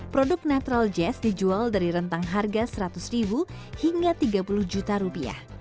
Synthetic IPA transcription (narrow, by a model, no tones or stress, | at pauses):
pɾodʊk̚nat̪uɾald͡ʒɛsdid͡ʒualdaɾiɾənt̪aŋɦarɡasəɾat̪ʊsribu | hiŋɡat̪iɡapulʊhd͡ʒut̪aɾupia̰h